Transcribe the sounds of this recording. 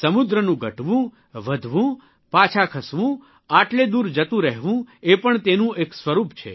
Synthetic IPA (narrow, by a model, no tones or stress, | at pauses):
səmud̪ɾənũɡʱəʈʋũ | ʋəd̪ʱʋũ | pat͡ʃʰakʰəsʋũ | aʈled̪uɾd͡ʒət̪ũɾɛɦʋũepəɳt̪enũʔeksʋəɾupt͡ʃʰḛ